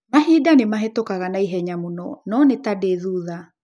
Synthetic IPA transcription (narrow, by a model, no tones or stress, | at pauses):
maɦidanemaɦetokaɣanaiɦɛɲamonɔ̰nɔnetadeðuða